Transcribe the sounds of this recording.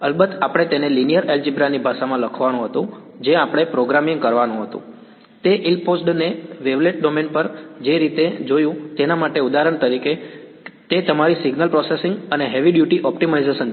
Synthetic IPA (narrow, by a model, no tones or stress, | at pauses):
əlbət̪apəɽ̃et̪enelinijəɾeld͡ʒibɾanibʱaʃamãləkʰʋanũɦət̪ũ | d͡ʒeapəɽ̃epɾoɡɾamiŋɡkəɾʋanũɦət̪ṵ̃ | t̪eʔilposʈneʋeʋleʈ̚ɖomenpəɾd͡ʒeɾit̪ed͡ʒojũt̪enamaʈeud̪aɾəɳt̪əɾiket̪et̪əmaɾisiɡnəlpɾɔsesɪŋɡəneɦeʋiɖjuʈiʔɔpʈimaizeʃən